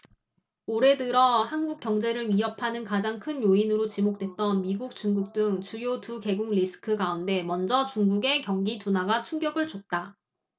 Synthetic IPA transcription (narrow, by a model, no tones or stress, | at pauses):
oɾe̞dɯɾʌhanɡuk͈̚jʌŋd͡ʑe̞ɾɯɭmiʌpʰanɯnkad͡ʑaŋkʰɯnjoinɯɾot͡ɕimok̚t͈we̞t̚t͈ʌnmiɡuk̚t͡ɕ͈uŋɡuk̚t͈ɯŋt͡ɕujotuke̞ɡuŋlisʰɯ̥kʰɯɡaunde̞mʌnd͡ʑʌt͡ɕuŋɡuɡe̞kjʌŋɡitunaɡat͡ɕʰuŋɡjʌɡɯɭt͡ɕot̚t͈a